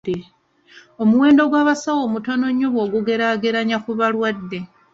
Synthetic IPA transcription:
o̞muwe̞ːndo̞ɡwaːβasawo̞muto̞no̞ɲːuβo̞ːɡuɡe̞ɾaɡeɾaɲakuβalwadːe̞

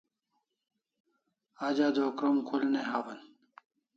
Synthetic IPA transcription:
aːd͡ʑad̪ʱoːkɾomkʰulneɦaːwɐn

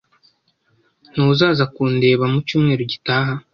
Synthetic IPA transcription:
n̥ouzaːzakuːnde̞ːβamucuːmŋe̞ːɾoɟitaːɦa

